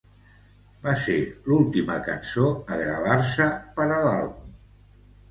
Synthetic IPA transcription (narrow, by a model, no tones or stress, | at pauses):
baselulˠt̪iməkə̰nsoəɣɾə̰ðaɾsəpəɾəlalˠβum